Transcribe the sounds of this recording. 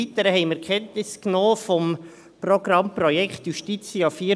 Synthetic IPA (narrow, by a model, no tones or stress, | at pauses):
it̪əɾəɦɛɪmɛɾkʰɛntnɪsknoːfɔm | prɔɡ̥ɾɑmprɔjɛkχtjuʃtit͡sjɑːfiːə